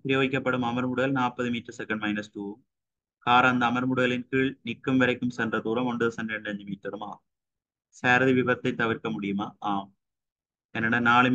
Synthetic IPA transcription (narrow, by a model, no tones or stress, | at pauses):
pɪɾɪjoːɣɪkːɐpːɐɽɯmɐmɐɾmʊɽɯɣɐlnaːpɐðɯmiːʈrɐsɛkːɐɳɖmɐɪnɐsʈuːm | kaːɾɐːnd̪ɐːmɐɾmʊɽɯɣɐlɪnkiːɭnɪkːɯmʋɐɾɐɪkːɯmsɛndrɐt̪uːɾɐmɔɳɖɯðɐsɐnɖɐɳɖɯɐɲd͡ʒɯmiːʈɾɐɾɯma̰ː | seːɾðiʋɪbɐt̪ːɐɪt̪ːɐʋɪɾkɐmʊɽɪjɯmaːʔaːm | ɛnːɐɽɐnaːɭɯm